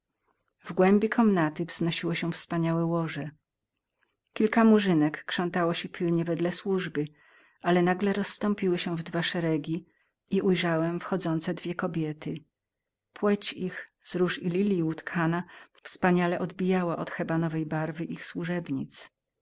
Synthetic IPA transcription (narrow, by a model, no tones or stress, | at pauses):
vɡwɛmbʲikʰɔmnat̪ɘvznɔɕiwɔɕɛfspaɲawɛwɔʐɛ | kʲilkamuʐɘnɛkːʂɔ̃nt̪awɔɕɛpʲʰilɲɛvɛd̪lɛswuʐbɘ | ʔalɛnaɡlɛɾɔsːt̪ɔ̃mpʲiwɘɕɛvd̪vaʂɛɾɛɡʲi | iʔujʐawɛmfxɔd̪zɔnt̪sɛd̪vʲjɛkɔbʲjɛt̪ɘ | pwɛt͡ɕixz̥ɾuʂilʲilʲiut̪kʰanafspaɲalɛʔɔd̪bʲijawaʔɔt̪xɛbanɔvɛjbaɾvɘʔixswuʐɛbɲḭt̪s